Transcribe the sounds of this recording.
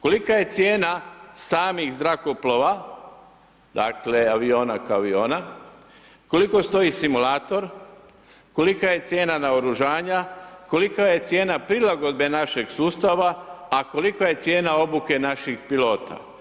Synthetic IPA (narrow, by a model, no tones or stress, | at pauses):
ko̞likaje̞t̪sje̞ːnasaːmixzɾako̞plo̞ʋa | d̪̥akle̞aʋio̞ːnakaaʋio̞ːna | ko̞liko̞st̪o̞isimulaːt̪o̞ɾ | ko̞likaje̞t̪sje̞ːnanaoɾuʒaːɲako̞likaje̞t̪sje̞ːnapɾilaɡo̞d̪̚be̞naʃe̞ɡsuːst̪aʋaːko̞likaje̞t̪sje̞ːnao̞buke̞naʃixpilo̞ːt̪a̰